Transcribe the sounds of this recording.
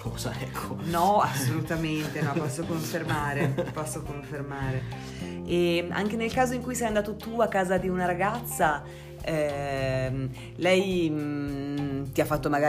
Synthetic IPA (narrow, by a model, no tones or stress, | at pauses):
koːza̰ɛkʰːonɔasːolut̪ament̪enɔpɔsːokoɱfermaːɾepɔsːokoɱfermaːɾe | ea̰ŋk̟enelkaːzoiŋkujsɛjand̪aːt̪ot̪uakːaːzad̪iunaɾaɡat̪sːa | ɛ | lɛj | t̪iafːat̪ːomaɡaː